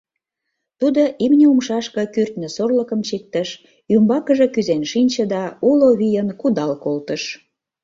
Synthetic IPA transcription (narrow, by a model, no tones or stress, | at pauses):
t̪ud̪oʔimnʲeumʃɑʃkə̆kyrt̪nø̆sorləkəmt͡ɕik̚t̪əʃ | ymbɑkəʒe̽kyzenʃinʲt͡ɕə̆d̪ɑuloβijənkud̪ɑlkolt̪əʃ